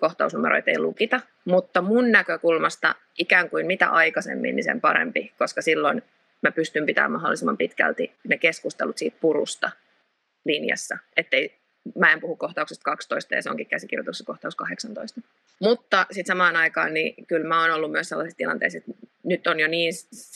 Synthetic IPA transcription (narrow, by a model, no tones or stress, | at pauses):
koht̪ɑusnumeɾʔo̰it̪ḛilukit̪ɑ | mut̪ːɑmunnækøkulmɑst̪ɑ̰ | ʔikæːŋkuimmit̪æ̰ʔɑikɑsḛmːḭnnisḛmpɑ̰ɾḛmpikoskɑsilːon | mæpyst̪ympit̪æ̰ːmɑɦolːˑisimːɑ̰mpit̪kæ̰lt̪inekeskust̪ḛlut̪siːt̪̚puɾṵst̪ɑ | linjɑ̰sːɑet̪ːei | mæempuhukkoht̪ɑuksest̪̚kɑkst̪oist̪ɑjɑ̰seoŋkikæsikirjot̪ukse̥skoht̪ɑuskɑheksɑnt̪oist̪ɑ | mut̪ːɑsit̪sɑmɑːnɑikɑ̰ːnnikylmæoːnolːummyøselːɑsist̪ilɑnt̪ḛiset̪nyt̪ːonjoniːn